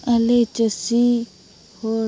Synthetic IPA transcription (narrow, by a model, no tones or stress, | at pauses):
ɐlet͡ʃəsi | hoː